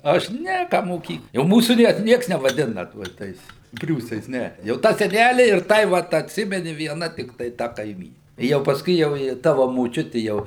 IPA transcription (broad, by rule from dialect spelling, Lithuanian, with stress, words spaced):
ɐʃ ˈnʲɛ ˈkɑː moːˈkʲiːk jɛʊ ˈmuːsuː nʲiɛ ˈnʲiɛks nʲɛʋɐˈdʲɪnɐ tuɔ ˈtɐɪs ˈpʲrʲuːsɐɪs ˈnʲɛ jɛʊ ˈtɑː sʲɛˈnʲælʲɪ ɪr ˈtɐɪ ʋɐt ɐtʲˈsʲɪmʲɛnʲɪ ʋʲiɛˈnɐ tʲɪkˈtɐɪ ˈtɐ kɐɪˈmʲiːnʲɪ ˈjɛʊ pɐsˈkʊɪ jɛʊ ˈjɪ ˈtɑːʋɐ moːˈt͡ʃʲʊtʲɪ ˈjɛʊ